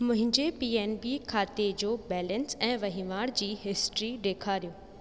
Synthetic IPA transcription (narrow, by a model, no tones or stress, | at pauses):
mʊ̃ɦɪ̃ɲd͡ʑepiːeːnbikʰaːt̪ed͡ʑoːbɛːlə̃nsɛ̃ːʋɐɦiʋaːɽd͡ʑiːɦɪsʈɾiɖeːkʰaːɾijoː